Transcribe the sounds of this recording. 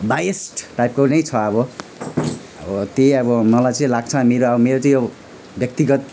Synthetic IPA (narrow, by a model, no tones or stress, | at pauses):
bajesʈʈajp̚konʌjt͡sʰʌʌbʌ | ʌbʌt̪eʌbʌmʌlajt͡sʌĩlaɡ̚t͡sʰʌmeɾoʌbʌmeɾot͡saĩjo | bjʌk̚t̪iɡʌt̪̚